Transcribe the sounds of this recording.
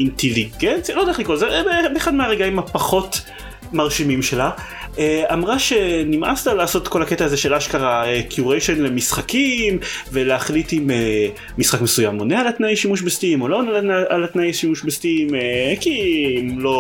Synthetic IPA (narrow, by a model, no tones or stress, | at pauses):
inteliɡentt͡sjalo̞d̪aχlikolzebbeeχad̪meaʁeɡaimhapaχo̞t | maʁʃimimʃe̞la | eamʁaʃe̞nimʔa̰stalaːso̞t̪ko̞laketaːzeʃelaʃkaʁaekʰjuʁejʃenlemisχakimve̞leaχlitimeː | isχakmesujamonealat̪najʃimuʃ̬best̪imolonalat̪najʃimuʃbest̪imekimlo̞